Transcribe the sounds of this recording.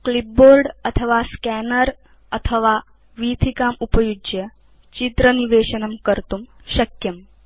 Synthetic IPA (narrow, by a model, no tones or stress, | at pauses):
klip̚boːɾɖɐt̪ʰəʋaskɛnəɾ | ɐt̪ʰəʋa | ʋiːt̪ʰikaːmupɐjud͡ʒjə | t͡ʃit̪ɾəniʋeːɕənɐmkəɾt̪um | ɕɐkjɐm